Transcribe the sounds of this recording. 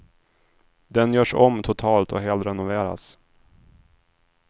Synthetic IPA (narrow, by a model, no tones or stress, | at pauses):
d̪ɛnjœːʂɔ̰mt̪ʰʊt̪ʰɑːlt̪ʰɔ̰ɦɛːlt̪ɾɛnʊveːɾa̰s